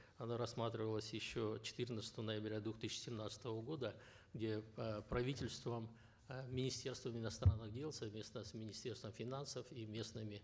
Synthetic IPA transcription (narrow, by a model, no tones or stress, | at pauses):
ɐnaɾɐsːmat̪ɾʲɪvəlˠəsʲjɪɕːot͡ɕɪ̥t̪ɨrnət̪sə̥t̪əvənəjɪbɾʲad̪vʊxt̪ɨɕːɪ̥sʲɪmnat̪sə̥t̪əvəɡo̞d̪ə | ɡdʲe̞pɾɐvʲitʲɪlʲst̪vəm | mʲɪnʲɪsʲtʲe̞rst̪vəmɪnɐst̪ɾanːɨɣdʲe̞lˠsɐvmʲe̞snəsʲmʲɪnʲɪsʲtʲe̞rst̪vəmfʲɪnansəfimʲe̞snɨmʲɪ